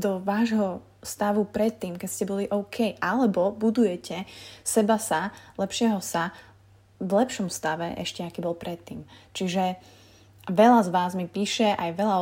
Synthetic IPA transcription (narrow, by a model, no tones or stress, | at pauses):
d̪ɔʋaːʒɦɔ | st̪aʋupɾɛt̪ːiːmkɛcscɛbɔliʔɔʊkʰɛjʔalɛbɔbud̪ujɛcɛsɛbasalɛpʃɪɛɦɔsa | ʋlɛpʃɔmfst̪aʋɛʔɛ̰ʃcɛakiːbɔlˠpɾɛt̪ːiːmt͡ʃiʒɛ | ʋɛlazʋaːzmipiːʃɛʔajʋɛlaɔ